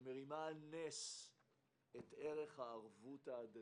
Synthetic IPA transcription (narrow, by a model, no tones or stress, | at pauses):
meʁimanes | ete̞ʁe̞χhaːʁvutaːd̪a